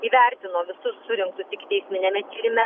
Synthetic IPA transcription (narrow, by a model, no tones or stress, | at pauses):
iːʋʲæɾʲt̪ʲɪnoːʋʲɪsʊsːʊɾʲɪŋkt̪ʊt̪ʲɪkt̪ʲɛɪsʲmʲɪnʲɛmʲɛt̪ʲiːɾʲɪmʲɛ